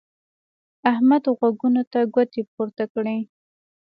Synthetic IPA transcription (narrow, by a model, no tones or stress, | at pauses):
ahmad̪ɣwaɡunot̪aɡwat̪epoɾt̪akɽe